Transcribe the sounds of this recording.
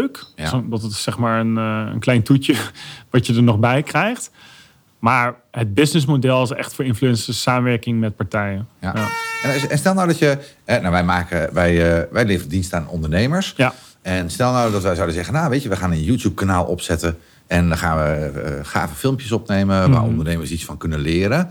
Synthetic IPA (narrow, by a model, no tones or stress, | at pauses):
kdtətɪ̥sɛχmaːɹənə̰nklɛjntutjəʋɑtjədəɹnɔχbɛjkrɛjχt | maːɹ | ɦəd̚bɪsnɪs̬modɛlˠɪs̬ɛ̰χtfʊːɹɪnflyɛnsəsaːməʋɛɹkɪŋmɛt̚paɹtɛjənaɛnɛnstɛlˠnawdɔtjəɛnaʋɛjmaːkəʋɛjʋɛjleːvərədinstaːnɔ̰ndəɹneːməɹsja | ɛnstɛlˠnawdɔtʋɛjzawdəzɛɣənaːʋeːtəʋəxaːnənjuːtjup̚kanaːlˠʔɔ̰psɛtə | ɛndɔxaːnʋəəχa̰ːvəfɪlˠmpjəsɔpneːməʋa̰ːɹɔ̰ndəɹneːməsisfɔnkɵnəlɪːɾə